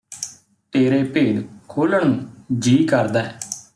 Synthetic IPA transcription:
t̪eːɾeːpeːd̪kʰoːləɳ̃ːd͡ʒiːkəɾd̪aːɛː

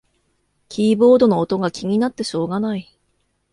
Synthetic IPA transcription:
kʲiːbo̞ːd̪o̞no̞ːt̪o̞ɡakʲiŋ̟ʲinat̪ːe̞ɕo̞ːɡanai

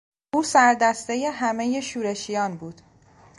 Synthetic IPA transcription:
uːsæɾd̪æst̪e̞je̞ɦæme̞je̞ʃuːɾe̞ʃijɒːnbuːd̪̥

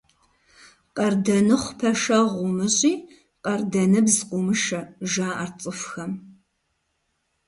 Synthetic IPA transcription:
qʼɐrdɐnɨχʷpʰɐʃɐʁʷʊmɨɕʼiː | qʼɐrdɐnɨbzqʷʼʊmɨʃɐʒaːart͡sʼɨfxɐm

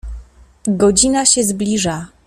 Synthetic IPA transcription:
ɡɔd͡ʑinaɕɛzblʲiʐa

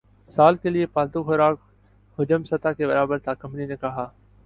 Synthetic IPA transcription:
saːlkeliepaːlt̪uxʊɾaːk | hʊd͡ʒəmsət̪akebɐɾaːbəɾt̪ʰakɐmninekɐɦaː

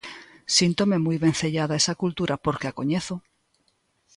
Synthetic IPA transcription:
sint̪omemujβẽnθeʎaðaesakult̪uɾʔapoɾkeakoɲeθo

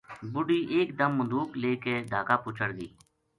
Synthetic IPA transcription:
bʊɖiːʔeːkd̪əmːʊnd̪uːkleːkeːd̪ʱaːkaːpʊːt͡ʃʰəɽɡ̪iː

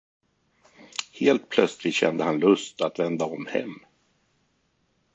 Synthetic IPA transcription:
heːlt̪̚pʰlœt̪slɪt̪ɕɛ̰nd̪əhanlɵst̪at̪vɛnd̪aɔmhɛ̰mː

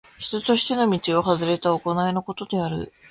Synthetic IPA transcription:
çi̥t̪ot̪o̞ɕi̥t̪e̞no̞mʲit͡ɕio̞ɦazɨɾe̞t̪aoko̞naeno̞ko̞t̪o̞d̪e̞aɾɯ̟̰

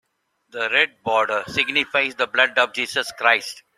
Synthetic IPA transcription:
d̪əɾɛɖ̚bɔːɾɖəɾsɪɡnɪfaɪzd̪əblʌɖɔːʋd͡ʒiːsəskɾaɪsʈ

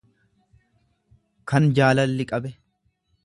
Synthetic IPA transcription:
kɐnd͡ʒaːlɐlːɪkʼɐbɛ

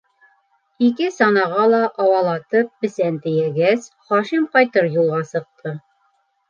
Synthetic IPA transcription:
ikɘsɑnɑʁɑlˠɑʔɑwɑlˠɑt̪ɤp̚bɘ̆sænt̪ɘ̆jæɡæs | χɒʃimqɒjt̪ɤɾjulˠʁɑsɤ̆q̚t̪ʰɤ

